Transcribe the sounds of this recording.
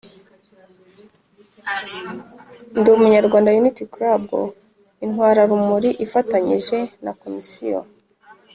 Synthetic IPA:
ndumuɲaɾɡwaːndajunitikɾabo̰ | inhwaːɾaɾumuɾiʔifataɲiʒe̞nako̞misḭjo̰

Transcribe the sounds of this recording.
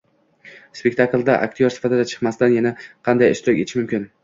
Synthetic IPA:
spe̞k̚ʲt̪ʰaklˠd̪a̰ʔa̰k̚ʲt̪ʰijoɾsɪ̥fat̪ʰɪd̪at͡ʃʰɨ̥qmasɪd̪anjanaqʰɑnd̪ajɪʃt̪ʊɾɪkʲet̪ʰɪmʊmkʲɪn

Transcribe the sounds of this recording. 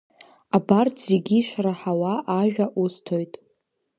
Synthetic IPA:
abarʰzeɡʲiʃraħawaʔːʒᶣaʔustʰo̞jtʼ

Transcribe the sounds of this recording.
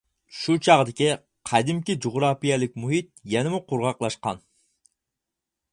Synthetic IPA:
ʃut͡ʃʰɑʁd̪ɪkʲi | qʰɑd̪ɪmkʲid͡ʒoʁɾɑpijɛlɪk̚ʲmuɦit̪̚jɛnɪmʊqʰʊɾʁɑqlˠɑʃqɑ̰n

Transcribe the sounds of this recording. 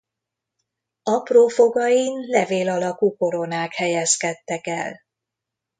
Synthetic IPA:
ɒproːfo̞ɡɒjinlɛveːlɒlɒkuːko̞ɾo̞naːkhɛjɛskɛt̪ːɛkɛ̰l

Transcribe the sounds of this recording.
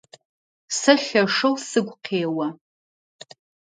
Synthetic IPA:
sɨɬaʂowsɨɡʷqʰeːwa

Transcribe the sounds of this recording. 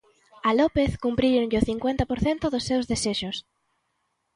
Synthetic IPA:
alɔpeθkumpɾiɾoɲʎɪʊθiŋkwent̪ɐpoɾθent̪ʊðʊsːewzðeseʃʊs

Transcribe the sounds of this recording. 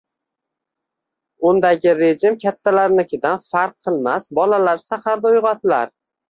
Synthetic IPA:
ʊnd̪aɡʲɪɾed͡ʒɪmkʲʰat̪ʰːalaɾlɪkʲʰɪd̪anfaɾq̚ʰːɨlˠmasbɒlalaɾsahaɾd̪aʊjʁɑt̪ʰɪla̰ɾ

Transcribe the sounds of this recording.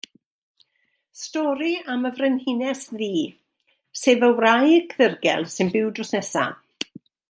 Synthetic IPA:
stɔːɾiaməvrɪnhɪnɛsðiː | seːvəwrajkʰðɪrɡɛ̰lˠsɨnbɪwdrɔsnɛsa̰

